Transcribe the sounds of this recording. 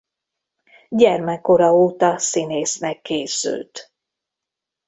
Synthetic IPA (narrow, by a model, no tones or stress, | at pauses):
ɟɛrmɛkːo̞ɾɒoːt̪ɒsineːsnɛkʰːeːsy̰lt̪